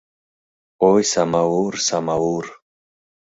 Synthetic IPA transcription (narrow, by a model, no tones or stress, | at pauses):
ojsamawuɾsamawuɾ